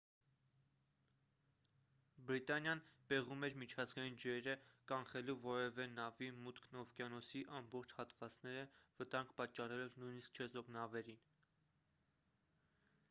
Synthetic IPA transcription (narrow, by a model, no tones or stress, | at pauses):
bɾit̪ɑnjɑnb̥ɛʁumɛɾmit͡ʃʰɑzɡɑjind͡ʒɛɾəkɑnχɛluvɔɾɛvɛnɑvimut̪kʰnɔfkjɑnɔsiʔɑmbɔχt͡ʃʰhɑt̪vɑt͡snɛɾəvət̪ɑŋɡpɑt͡ʃːɑrɛlɛvnujnisk̚t͡ʃʰɛzɔknɑvɛɾin